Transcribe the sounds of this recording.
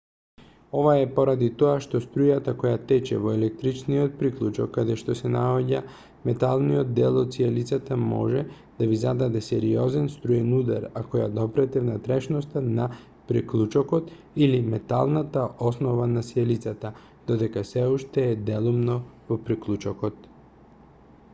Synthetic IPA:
ɔvaɛpoɾad̪it̪ɔaʃt̪ɔst̪ɾujat̪akɔjat̪ɛt͡ʃɛ̰vɔɛlɛk̚t̪ɾit͡ʃnijot̪̚pɾiklˠut͡ʃɔkːad̪ɛʃt̪ɔsɛnaoɟa | mɛt̪alˠnijod̪̚d̪ɛlˠɔt̪sialit̪sat̪amɔ̰ʒɛ | d̪̥avizad̪ad̪ɛsɛɾiɔzɛnst̪ɾujɛnud̪a̰ɾakɔja̰d̪ɔpɾɛt̪ɛvnat̪ɾɛʃnɔst̪ana | pɾiklˠut͡ʃɔkɔt̪ | ilimɛt̪a̰lˠnat̪aʔɔsnɔvanasialit̪sat̪a | d̪̥ɔd̪ɛkasɛuʃt̪ɛːd̪ɛlˠumnɔvɔpɾiklˠut͡ʃɔkɔt̪̚

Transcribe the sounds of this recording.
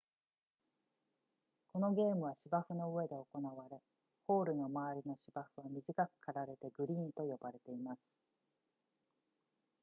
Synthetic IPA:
ko̞no̞ɡʲe̞ːmɯ̟β̞aɕibaɸɯ̟no̞ɯβe̞d̪e̞oko̞naβaɾe̞ | ho̞ːɾɯ̟no̞maaɾʲino̞ɕibaɸɯ̟βamʲiʑikakɯ̟̥kʰaɾaɾe̞t̪e̞ɡɯ̟ɾʲiːnt̪o̞jo̞baɾe̞t̪e̞imasɨ̥

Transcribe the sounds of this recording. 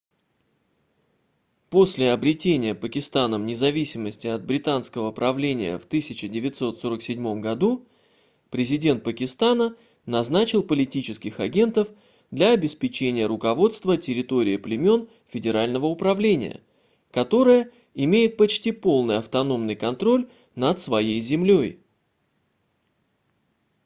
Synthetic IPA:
po̞sʲlʲɪɐbɾʲɪtʲenʲɪjəpəkʲɪst̪anəmnʲɪzɐvʲisʲɪməsʲtʲɪɐd̪̚bɾʲɪt̪anskəvəpɾɐvlʲenʲɪ̰jə̰ft̪ɨsʲɪt͡ɕɪdʲɪvʲɪt̪so̞t̪so̞ɾəksʲɪdʲmo̞mɡɐd̪u | pɾʲɪzʲɪdʲe̞nt̪̚pəkʲɪst̪anə | nɐznat͡ɕɪlˠpəlʲɪtʲit͡ɕɪskʲɪxɐɡʲe̞nt̪əf | d̪lʲɐɐbʲɪspʲɪt͡ɕenʲɪjəɾʊkɐvo̞t̪st̪vətʲɪɾʲɪt̪o̞ɾʲɪːplʲɪmʲo̞n | fʲɪdʲɪɾalʲnəvəʊpɾɐvlʲenʲɪ̰jə̰ | kɐt̪o̞ɾəjə | ɪmʲejɪt̪̚pɐt͡ɕtʲipo̞lˠnɨjɐft̪ɐno̞mnɨjkɐnt̪ɾo̞lʲ | nət̪svɐjejzʲɪmlʲoj

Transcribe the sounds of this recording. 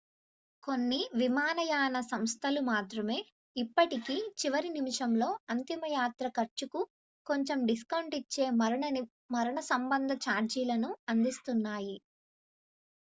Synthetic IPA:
ko̞nːiʋimaːnɐjaːnɐsɐmst̪ʰɐlumaːt̪ɾɐme̞ː | ipːɐʈikit͡ʃiʋɐɾinimiʂɐmlo̞ːɐnt̪imɐjaːt̪ɾɐkɐɾt͡ʃuku | ko̞ɲt͡ʃe̞mɖiskɐwɳʈit͡ʃːe̞ːmɐɾɐɳɐ | mɐɾɐɳɐsɐmbɐnd̪ʱɐt͡ʃaːɾd͡ʒiːlɐnuɐnd̪ist̪unːaːji

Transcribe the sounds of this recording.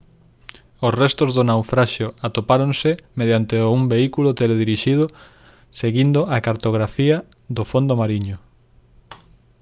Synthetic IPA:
osrɛst̪ozðʊnawfɾaʃjʊat̪opaɾonsɪmeðjant̪eumbeikulʊt̪eleðiɾiʃiðʊ | seɣind̪ʊʔakaɾt̪oɣ̞ɾafiɐ | ðʊfond̪omaɾiɲʊ

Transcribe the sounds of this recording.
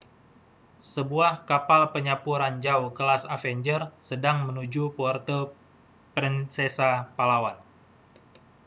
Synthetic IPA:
səbuahkapalpəɲapuɾand͡ʒawkəlasafɛɲd͡ʒərsədaŋmənud͡ʒupɔrt̪ə | pɾinsɛsapalawan

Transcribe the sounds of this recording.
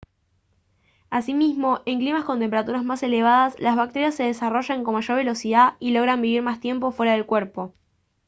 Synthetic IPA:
asimizmo̞ʔe̞ŋklimaskont̪emp̬eat̪uɾazmase̞le̞β̞aðaslazβak̚t̪e̞ɾjasːe̞ð̞esaro̞ʒaŋko̞nmaʃo̞ɾβe̞lo̞siðailo̞ɣɾambiβiɾmast̪je̞mpo̞fwe̞ɾað̞e̞lkweɾpo̞

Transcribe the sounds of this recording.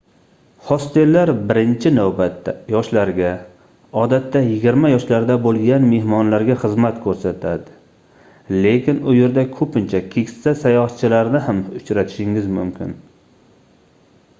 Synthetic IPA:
hɒst̪elːaɾbɪɾɪnt͡ʃʰɪnawbat̪ːajɒʃlaɾɡʲa | ɒd̪at̪ːajɪɡʲɪɾmajɒʃlaɾd̪abolˠɡʲanme̞hmɒnlaɾɡʲaχɨzmat̪kʰɵɾsat̪ʰad̪ɪ | le̞kʲɪnʊje̞ɾd̪akʰɵpɪnt͡ʃʰakʲʰe̞kʲɪ̥sasajɒhat̪t͡ʃʰɪlaɾnɪhamʊt͡ʃɾat̪ʰɪ̥ʃɪŋɪzmʊmkʲɪ̰n

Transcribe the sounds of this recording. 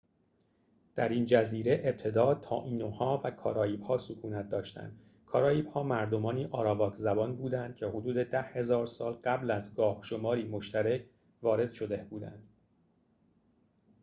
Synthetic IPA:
d̪̥æɾind͡ʒæziːɾe̞ʔeb̚t̪ʰe̞d̪ɒːt̪ʰɒ̰ːʔiːnohɒːvækʰɒ̰ːɾɒːiːb̥hɒːsokʰuːnæt̪̚d̪ɒːʃt̪æ̰nd̪̥ | kʰɒːɾɒːiːb̥hɒːmæɾd̪o̞mɒːniːʔɒːɾɒːvɒːkʰzæbɒːnbuːd̪ænd̪̥̚cʰe̞hod̪uːd̪e̞d̪æhhe̞zɒːɾsɒːlɢæblæzɡɒːhʃo̞mɒːɾiːmoʃt̪æɾecʰ | vɒːɾe̞d̪̥ʃo̞d̪ebuːd̪æ̰nd̪̥

